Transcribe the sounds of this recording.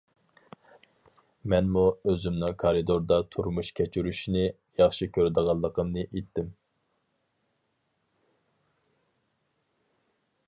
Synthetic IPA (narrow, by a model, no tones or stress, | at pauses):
mɛnmuøzymnɪŋkʰɑɾid̪oɾd̪ɑt̪ʰuɾmuʃkʲʰɛt͡ʃʰyɾyʃinɪ | jɑχʃikʲʰøɾd̪əʁɑlˠːəqəmnɨʔet̪ʰːɪm